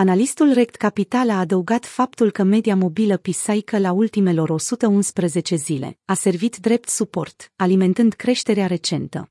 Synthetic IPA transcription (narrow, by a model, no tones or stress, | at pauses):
analist̪ulrek̚t̪kapit̪alaːd̪əuɡat̪fap̚t̪ulkəme̞d̪iamo̞biləpisajkəlault̪ime̞lo̞ɾo̞sut̪əunspɾəze̞t͡ʃe̞zile̞̰ase̞rvit̪d̪ɾe̞p̚t̪supo̞̰rt̪alime̞nt̪ɨnd̪kɾe̞ʃt̪e̞ɾeaɾe̞t͡ʃe̞nt̪ə̰